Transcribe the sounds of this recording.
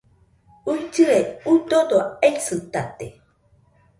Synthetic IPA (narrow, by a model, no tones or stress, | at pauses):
ud͡ʒiɾeud̪odoejsɨ̃tat̪e